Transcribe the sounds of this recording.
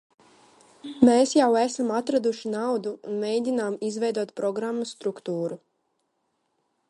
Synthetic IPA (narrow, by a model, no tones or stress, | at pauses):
meːsjawæsamat̪ɾad̪uʃinawd̪uṵnmʲejd̪ʲinaːmizvɛjd̪uɔt̪pɾɔɡɾamːust̪ɾukt̪uːɾu